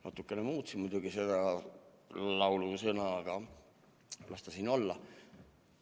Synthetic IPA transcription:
nɑ̰t̪ːˑukːˑe̞nemuːt̪simud̪uɡ̥ise̞d̪̥ɑ | lɑwlusɤnɑɡ̥ɑ | lʔɑst̪ɑsino̞lːɑ

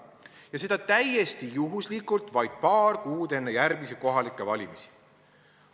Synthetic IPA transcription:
jɑse̞d̪̥ɑt̪æjest̪ijuɦuslikult̪vɑjd̪̥̚pɑːrkuːd̪e̞nːejærɡ̥miseko̞ɦɑlikːˑevɑlʲimisi̥

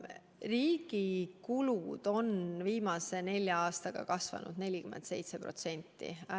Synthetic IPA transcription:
riːɡ̥ikulud̪̥o̞nviːmɑse̞ne̞lʲjɑɑːst̪ɑɡ̥ɑ̰kɑsvɑ̰nṵd̪̥ne̞lʲikyment̪se̞jt̪se̞pro̞̰t̪se̞nʲt̪ːˑḭ

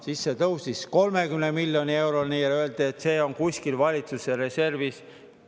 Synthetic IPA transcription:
sisːe̞t̪ɤwst̪isko̞lme̞kymnemilʲjo̞nʲie̞wɾolniːjløe̞ld̪̥iet̪ːˑse̞ːo̞nkusʲkilvɑlʲit̪suseɾe̞se̞rvis

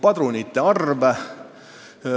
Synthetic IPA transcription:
pɑd̪̥ɾunit̪ːeɑrvæ

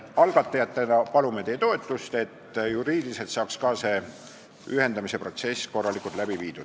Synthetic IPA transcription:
ɑlɡ̥ɑt̪ːˑɑjɑt̪ːˑe̞nɑpɑlume̞t̪e̞jet̪o̞e̞t̪ːˑust̪e̞t̪ːjuɾiːd̪ilise̞lt̪sɑːkskɑːse̞ | yɦe̞nd̪̥ɑmise̞pro̞t̪se̞sko̞rːɑlikˑult̪læbiviːd̪̥u̥

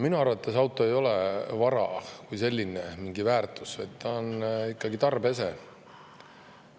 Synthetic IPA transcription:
minuɑrvɑt̪ːˑɑsɑwt̪ˑo̞e̞jo̞lɛvɑɾɑ̰kujse̞lʲːinemiŋɡivæːrt̪ˑusvɑjt̪t̪ɑonikːɑɡit̪ɑrbes̬e̞

